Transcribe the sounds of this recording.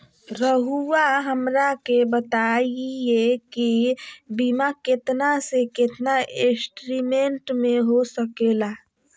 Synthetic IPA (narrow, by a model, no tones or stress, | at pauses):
ɾəɦuaɦəmɾakebət̪aiekibimaket̪naseket̪naesʈɾimeɳʈmeɦosəkela